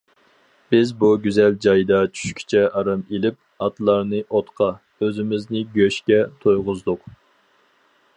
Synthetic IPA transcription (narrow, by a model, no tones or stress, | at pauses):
b̥ɪzbuɡʲyzɛld͡ʒɑjd̪ɑt͡ʃʰy̥ʃkʲʰi̥t͡ʃʰɛʔɑɾɑmelɪp̚ | ɑt̪lˠɑɾnɨʔot̪qʰɑ | øzɪmɪznɪɡʲøʃkʲɛt̪ʰojʁʊzd̪ʊq